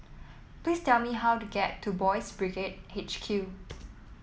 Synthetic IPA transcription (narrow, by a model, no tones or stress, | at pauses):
plistɛlmiɦawtuɡɛtʰːubɔjsbɹiɡet̚het͡ʃkʰju